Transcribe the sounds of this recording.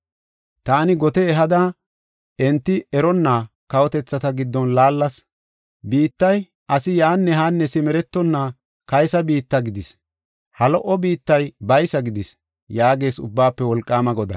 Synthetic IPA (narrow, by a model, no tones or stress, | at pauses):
t̪aːnɪɡɔt̪ɛɛɦɐd̪ɐ | ɛnt̪ːɪɛɾɔnːaː | kɐwɔt̪ɛt͡sːɐt̪ɐɡɪd̪ːɔnlaːlːɐs | biːt̪ːɐj | ʔɐsɪjaːnːɛɦaːnːɛsɪmɛɾɛt̪ːɔnːaː | kɐjsɐbiːt̪ːɐɡɪd̪ɪs | hɐlɔʔɔbiːt̪ːɐjbɐjsɐɡɪd̪ɪs | jaːɡe̞ːsʊbːaːpːɛwɔlkʼːaːmɐɡɔd̪ɐ̰